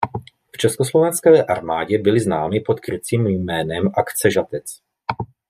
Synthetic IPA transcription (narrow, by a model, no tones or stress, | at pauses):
ft͡ʃɛskoslovɛnskɛːʔaɾmaːɟɛbɪlɪznaːmɪpo̞t̪kɾɪt͡siːmjmɛːnɛmʔakt͡sɛʒat̪ɛt͡s